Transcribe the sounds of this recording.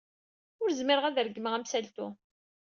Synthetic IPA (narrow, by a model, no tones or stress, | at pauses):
ʊɾzmɪɾəʁæðɾɡːəməʁæmsælt̪u